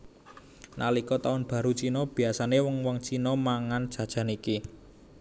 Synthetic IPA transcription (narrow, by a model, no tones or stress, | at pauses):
nalikɔt̪aʊnb̥ä̤ɾut͡ʃinɔb̥i̤asanewɔŋwɔŋt͡ʃinɔmaŋand̥ʒ̥ä̤d̥ʒ̥a̤niki